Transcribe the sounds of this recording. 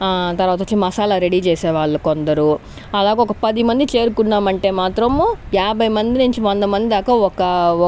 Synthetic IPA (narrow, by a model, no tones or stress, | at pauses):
t̪ɐɾʋaːt̪ɐt͡ʃːimɐsaːlɐːɾeɽiːt͡ʃɛːsɛːʋaːɭːɐkond̪ɐɾu | ɐlaːɡeɔkɐpɐd̪imɐnd̪it͡ʃe̞ːɾukunːaːmɐɳʈe̞ːmaːt̪ɾɐmjaːbʱɐjmɐnd̪inuɲt͡ʃiʋɐnd̪ɐmɐnd̪id̪aːkɐɔkɐ